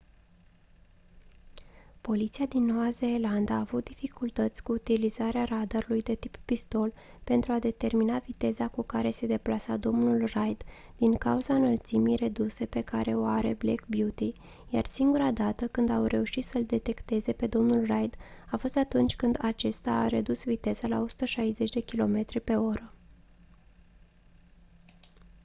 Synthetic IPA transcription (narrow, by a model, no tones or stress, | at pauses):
po̞lit̪siad̪inːo̞vazeːland̪aːvut̪̚d̪ifikult̪ət̪sʲkuːt̪ilizaɾearad̪aɾulujd̪e̞t̪ipːist̪o̞l | pe̞nt̪ɾuad̪e̞t̪e̞rminavit̪e̞zakukaɾe̞se̞d̪e̞plasad̪o̞mnulrajd̪ | d̪̥iŋkauzanəlt̪simijre̞d̪use̞pe̞kaɾe̞o̞aɾe̞̰blḛkbjut̪i | jarsiŋɡuɾad̪at̪əkɨnd̪awɾe̞uʃit̪səld̪e̞t̪e̞kt̪e̞ze̞pe̞d̪o̞mnulrajd̪afo̞st̪at̪unt͡ʃʲkɨnd̪at͡ʃe̞st̪aːɾed̪usvit̪e̞z̥alao̞su̥t̪əʃajze̞t͡ʃʲd̪e̞kʲilo̞me̞t̪ɾipe̞o̞ɾə